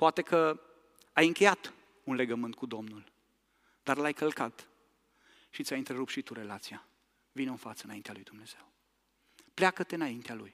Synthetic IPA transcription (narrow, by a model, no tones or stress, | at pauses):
poat̪e̞kʰə | ajɨŋkʲe̞jat̪ | unle̞ɡəmɨnt̪̚kud̪omnul | d̪̥arlajkʰəlkat̪ | ʃit̪sʲajɨnt̪ɾeɾup̚t̪ʃit̪uɾe̞lat̪sija | vinɨnfat̪səɨnaint̪ealujd̪umne̞z̥e̞w | pleakət̪eɨnaint̪ealuj